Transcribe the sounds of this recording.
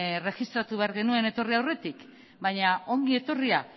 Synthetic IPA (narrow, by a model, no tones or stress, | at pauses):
re̞xist̪ɾat̪uβe̞aɾɣe̞nue̞ne̞t̪o̞riawre̞t̪ik | bajɲao̞ŋɡie̞t̪o̞ria